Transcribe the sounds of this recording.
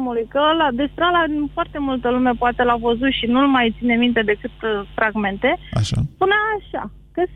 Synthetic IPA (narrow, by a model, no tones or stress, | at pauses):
mulujkəlad̪e̞spɾealad̪infoart̪e̞mult̪əlume̞poat̪e̞lavəzut̪ʃinulmajt̪sine̞mint̪e̞d̪e̞kɨt̪fɾʔaɡme̞nt̪e̞a̰ʃa̰punaaʃa̰ | kəs